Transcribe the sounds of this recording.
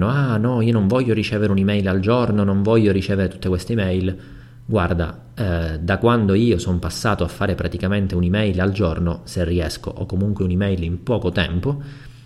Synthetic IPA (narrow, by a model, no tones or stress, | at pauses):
noanɔiːonoɱvɔʎːoɾit͡ʃɛːveɾeunimɛjlald͡ʒornonoɱvɔʎːoɾit͡ʃɛːveɾet̪ut̪ːekwest̪eimɛjl | ɡward̪a̰ | ɛd̪akwand̪oiːosompasːaːt̪oafːaːɾepɾʔat̪ikament̪eunimɛjlald͡ʒornoserːiɛsko̰ʔɔkːomuŋkweunimɛjlimpɔːkot̪ɛmpo